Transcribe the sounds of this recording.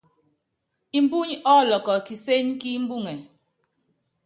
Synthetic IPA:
i˨m˦bu˦ɲɔ˦˨lɔ˨kɔ˨ki˨se˦ɲki˦m̩˦bu˦˨ŋɛ˨

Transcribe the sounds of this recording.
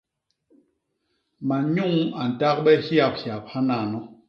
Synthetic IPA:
ma˨ɲu˦˨ŋa˨n̩˨ta˦k̚ɓɛ˦hja˦˨p̚hja˨p̚ha˦na˦˨nɔ˦

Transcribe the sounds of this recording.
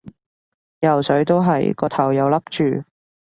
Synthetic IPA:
jɐ˨˩wsɵ˨˥ɥt̪o˥wɦɐ˨jkɔː˧t̪ʰɐ˨˩wjɐ˨˧wlɐ˥k̚t͡ʃyː˨˩

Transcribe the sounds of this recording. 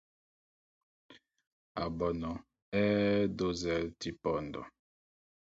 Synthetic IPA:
a˨bɔ˨nɔ˨ | ɛ˦do˦zɛ˦˨lti˦pɔ˨ndɔ̰˨

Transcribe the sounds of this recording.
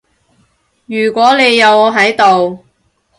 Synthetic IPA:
jyː˨˩kʷɔː˨˥le˨˧jːɐ˨˧wɔː˨˧ɦɐ˨˥jt̪o˨w

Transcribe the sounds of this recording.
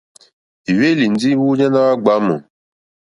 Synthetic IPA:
i˨we˦li˨n̩˨di˦wu˦ɲã˦na˦wa˦ɡ͡ba˨˦mɔ̰˨

